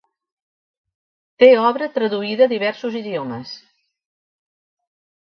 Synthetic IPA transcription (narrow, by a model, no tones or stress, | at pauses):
t̪eɔβɾət̪ɾəðuiðəːðiβɛɾsuziðioməs